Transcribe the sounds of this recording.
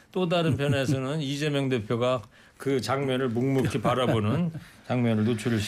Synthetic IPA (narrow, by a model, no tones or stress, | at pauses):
t͈odaɾɯnpʰjʌne̞sʰʌnɯnid͡ʑe̞mjʌŋde̞pʰjoɡa | kɯt͡ɕaŋmjʌnɯɭmuŋmukʰipaɾabonɯnt͡ɕaŋmjʌnɯɭnot͡ɕʰuɾɯɭɕ